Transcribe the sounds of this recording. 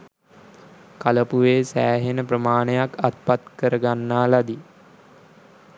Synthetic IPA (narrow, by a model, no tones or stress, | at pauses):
kaləpuʋeːsæ̰ːɦenəprəmaːnəjakat̪̚pat̪kəɾəɡanːaːlad̪i